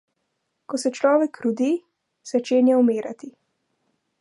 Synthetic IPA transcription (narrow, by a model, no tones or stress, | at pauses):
kɔsɛt͡ʃlɔːʋɛkɾud̪i | z̥at͡ʃeːnjɛɔmeːɾa̰t̪i